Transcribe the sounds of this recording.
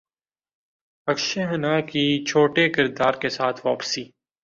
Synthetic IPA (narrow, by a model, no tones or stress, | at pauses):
ɐkʃeɦɐnakit͡ʃʰoːʈekɪɾd̪aːɾkesaːt̪ʰʋa̰ːpsiː